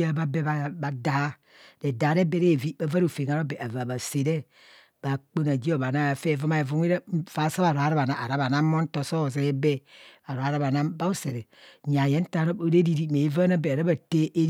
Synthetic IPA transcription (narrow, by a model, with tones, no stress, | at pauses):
a˦ba˦be˦ba˦˨ba˨da˨ha˦ | de˨da˨˦ɾe˦be˦ɾe˦˨vi˦ba˦va˦ɾo˨fe˨ŋa˨ɾo˦be˨ʔa˨va˨ba˨se˨ɾe˦ | b̥a˨k͡po˦na˨d͡ʒi˦o˨βa˨na˦˨fe˦˨vo˦ma˦e˨vu˦ŋi˦ɾa˦fa˨˦sa˦βa˨ɾo˨a˦ɾa˦ba˨na˨ʔa̰˨ɾa˦ba˨na˦mo˦n̩˦to˨so˦˨ze˨e˦be˦a˨ɾo˨a˨ɾa˦ba˨na˦ba˦o˦se˨ɾe˨ | ɲa˨je˦n̩˦ta˦ɾo˦bo˦ɾe˦ɾi˨ɾi˦me˨˦va˦na˦be˨ɾa˦ba˨te˦ʔe˦